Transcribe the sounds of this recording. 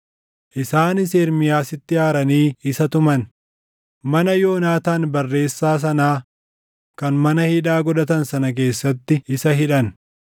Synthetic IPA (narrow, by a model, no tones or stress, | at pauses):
ʔɪsaːnɪseːɾmɪjaːsɪt̪ːɪjaːɾɐniːɪsɐt̪ʊmɐn | mɐnɐjo̞ːnaːt̪aːnbɐrːe̞ːsːaːs̬ɐnaː | kɐnmɐnɐhiːᶑaːɡɔᶑɐt̪ɐnsɐnɐk̬e̞ːsːɐt̪ːɪɪsɐɦɪᶑɐn